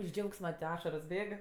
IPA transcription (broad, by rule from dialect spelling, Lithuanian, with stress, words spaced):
ɪʃ ˈd͡ʒʲɛʊksmɐ ˈɑːʃɐroːs ˈbʲeːk